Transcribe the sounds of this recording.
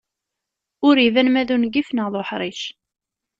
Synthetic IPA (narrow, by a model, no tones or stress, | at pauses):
ʊɾivænmæðunɡifnəʁðˤoħɾˤiʃ